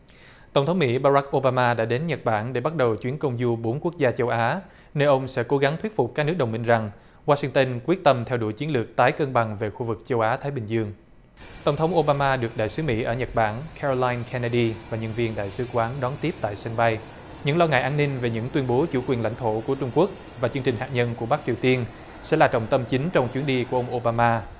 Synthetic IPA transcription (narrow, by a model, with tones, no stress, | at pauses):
t̪ə˧˩wŋ͡mt̪ʰə˨˦wŋ͡mmḭ˧˥ɓaː˧ɾa˦˥k̚ʔo˧ɓaː˧maː˧ɗa̰ː˧˥ɗe˨˦nɲə˨˩t̚ɓaː˧˩nɗe˧˩ɓa˦˥t̚ɗə˨˩wt͡ɕwi˨˦ənkə˧wŋ͡mzu˧ɓo˨˦nku˦˥ək̚zaː˧t͡ɕə˧wʔaː˨˦ | ne˧wʔə˧wŋ͡msɛ̰˧˥ko˨˦ɣa˨˦ŋt̪wt̚fʊ˨˩k͡p̚kaː˦˥k̚ɨ˦˥k̚ɗə˨˩wŋ͡mmi˧ŋ̟za˨˩ŋ | waː˧sï˧ŋt̪ə˧nkwi˦˥ət̚t̪ə˧mt̪ʰɛ˧wɗṵ˧˩jt͡ɕi˨˦ənlɨ˨˩ək̚t̪aː˨˦jkəː˧nɓa˨˩ŋve˨˩xu˧vɨ˨˩k̚t͡ɕə˧wʔaː˨˦t̪ʰaː˨˦jɓï˨˩ŋ̟zɨ˧əŋ | t̪ə˧˩wŋ͡mt̪ʰwŋ͡mʔo˧ɓaː˧maː˧ɗɨ˨˩ək̚ɗa̰ː˧˨jsɨ˨˦mḭ˧˥ʔəː˧˩ɲə˨˩t̚ɓaː˧˩nkʰɛ˧ɹo˧laː˧jnkʰɛ˧na˧ɗi˧vaː˨˩ɲə˧nvi˧ənɗa̰ː˧˨jsɨ˨˦kwaː˨˦nɗɔ˨˦nt̪i˦˥əp̚t̪a̰ː˧˨jsə˧nɓa˧j | ɲɨ̰˧˥ŋlɔ˧ŋa̰ː˧˨jʔaː˧nːï˧nve˨˩ɲɨ̰˧˥ŋt̪wi˧nɓo˨˦t͡ɕu˧˩kwi˨˩ənla̰˧jŋt̪ʰo˧˩ku˧˩ət͡ɕʊ˧ŋ͡mku˦˥ək̚ | vaː˨˩t͡ɕɨ˧əŋt͡ɕï̟˨˩haː˨k̚ɲə˧nku˧˩əɓa˦˥k̚t͡ɕi˨˩əwt̪i˧ən | sɛ̰˧˥laː˨˩t͡ɕə̰˧˨ŋ͡mt̪ə˧mt͡ɕi˨˦ŋt͡ɕɔ˧wŋ͡mt͡ɕwi˨˦nɗi˧ku˧˩əʔə˧wŋ͡mʔo˧ɓaː˧maː˧